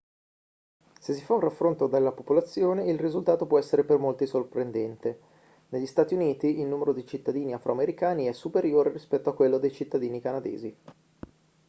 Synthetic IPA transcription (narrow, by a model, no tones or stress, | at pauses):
sesːifaũnrafːɾont̪od̪elːapopolat̪sːjoːneilrizult̪aːt̪opwɔɛsːeɾepermolt̪isorpɾend̪ɛnt̪e | neʎːist̪aːt̪iuniːt̪iilnuːmeɾod̪it͡ʃit̪ːad̪iːniafɾʔo̰ameɾikaːniɛsupeɾjoːɾeɾispɛt̪ːoakːwelːod̪ejt͡ʃit̪ːad̪iːnikanad̪ḛːzi